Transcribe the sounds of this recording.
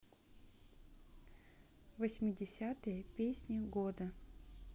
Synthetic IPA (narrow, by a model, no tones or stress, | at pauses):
vəsʲmʲɪdʲɪsʲat̪ɨjəpʲesʲnʲɪɡod̪ə